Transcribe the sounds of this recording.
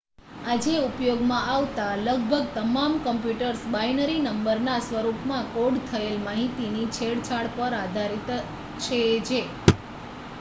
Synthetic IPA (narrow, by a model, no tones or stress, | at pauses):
ad͡ʒeupjoɡmãʔaʋt̪aləɡ̚bʱəɡ̚t̪əmamkəmpjuʈəɾsbajnəɾinəmbəɾnasʋəɾupmãkoɽt̪ʰəelmaɦit̪init͡ʃʰeɽt͡ʃʰaɭpəɾad̪ʱaɾit̪ | t͡ʃʰed͡ʒe